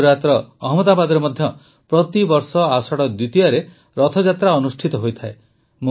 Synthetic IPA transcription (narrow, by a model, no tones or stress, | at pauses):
ɾat̪ɾɔːɦmɔd̪abad̪ɔɾemɔd̪ʱjɔ | pɾɔt̪ibɔɾsɔasɔɽɔd̪ut̪iaɾe | ɾɔt̪ʰɔd͡ʒat̪ɾaɔnusʈʰit̪ɔɦojt̪ʰae | mo